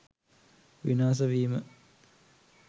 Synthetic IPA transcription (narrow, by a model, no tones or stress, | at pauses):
ʋinaːs̬ɐʋiːmə